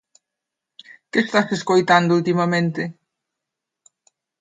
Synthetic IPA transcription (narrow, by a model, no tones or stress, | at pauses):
kɪːst̪aseskojt̪and̪ʊult̪imɐmẽnt̪ɪ